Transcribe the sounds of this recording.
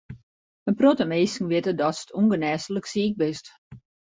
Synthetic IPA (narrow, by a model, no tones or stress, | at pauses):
ənprotəmeːsŋ̩ʋɪtədɔtsə̥tʰuŋɡənɛːsələksiːk̚bɪst